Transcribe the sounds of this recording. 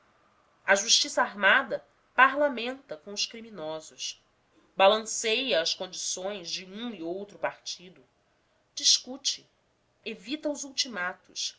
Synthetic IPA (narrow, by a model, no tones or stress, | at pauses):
ɐʒuʃt͡ʃisɐaɾmad̪ɐ | paɾlamẽnt̪ɐkõʊʃkɾiminɔzʊʃ | balɐ̃sejɐɐskõnd͡ʒisõj̃zd͡ʒɪũiowt̪ɾʊpaɾt͡ʃid̪ʊ | d͡ʒiʃkut͡ʃɪ | evit̪ɐʊzuwt͡ʃimat̪ʊs